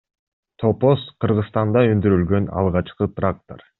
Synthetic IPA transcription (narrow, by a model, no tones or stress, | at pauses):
t̪ʰoposqʰɯɾʁɯst̪ɑnd̪ɑønd̪yɾylɡø̞nɑ̰lˠʁɑt͡ʃqɯt̪rak̚t̪o̰r